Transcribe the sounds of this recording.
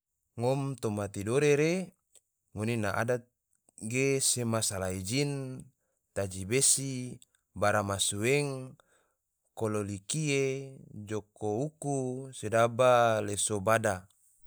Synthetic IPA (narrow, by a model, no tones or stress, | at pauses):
ŋomt̪omat̪idoɾeɾe | ŋoninaʔa̰dat̪̚ | ɡesemasalaid͡ʒin | t̪ad͡ʒibesi | baɾamasuweŋ | kololikied͡ʒokoukusedabalesobada